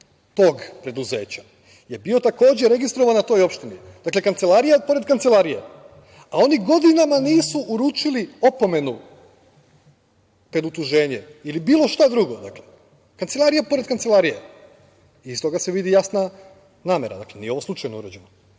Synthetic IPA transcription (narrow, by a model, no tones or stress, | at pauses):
t̪oːɡpɾed̪uze̞ːt͡ɕa | je̞bio̞t̪ako̞ːd͡ʑe̞ɾe̞ɡist̪ɾoʋanat̪o̞jo̞pʃt̪inid̪akle̞kant̪se̞lˠaɾijapo̞ɾe̞d̪kant̪selˠaɾije̞̰ | ao̞niɡo̞d̪inamaniːsuʔuɾuːt͡ʃilio̞po̞me̞nu | pɾed̪ut̪uʒe̞ːɲe̞ilibiːlo̞ʃt̪ad̪ɾuɡo̞d̪akle̞ | kant̪se̞lˠaɾijepo̞ɾe̞d̪kant̪se̞lˠaɾije | iist̪o̞ɡaseʋid̪ijasna | naːme̞ɾa̰d̪aklenijeo̞ʋoslˠut͡ʃajnoṵɾad͡ʑeno